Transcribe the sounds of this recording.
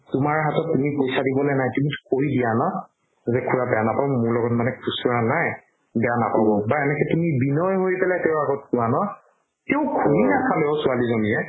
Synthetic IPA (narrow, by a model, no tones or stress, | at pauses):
tʊmaɹɦatɔtːumipojsadibɔlɔjnajtumitʊ̥kʰoɹidianɔ | zɛkʰuɹabɛanapabɔmuɹlɔɡɔtmanɛkʰusɔɹanaj | bɛjanapabɔbaɛnɛkɛtumibinɔjɦojpɛlajtɛʊaɡɔt̚kʊwanɔ | teʊ̃kʰuɹinakʰalɛʊsualizoniɛ